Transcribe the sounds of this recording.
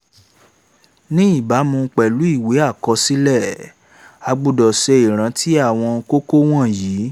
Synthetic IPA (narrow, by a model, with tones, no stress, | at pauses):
nĩ˦i˦˨ba˨˦mũ˧k͡pɛ˨lu˨˦i˦˨we˨˦a˦˨kɔ˧si˦lɛ˦˨ | a˨˧ɡ͡bu˨dɔ˨sɛ˧i˨ɾ̃ã˨˦tʰi˦a˦˨w̃ɔ̃˧ko˦ko˦w̃ɔ̃˦˨ji˨˦